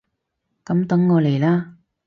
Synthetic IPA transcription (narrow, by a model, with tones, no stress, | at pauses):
kɐ˨˥mt̪ɐ˨˥ŋːɔː˨˧le˨˩jlaː˥